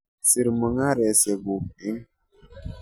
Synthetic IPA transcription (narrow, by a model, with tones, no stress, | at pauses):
si˨ɾmə˨ŋa˦ɾɛ˨sɛ˨ɡu˨ki˦ŋ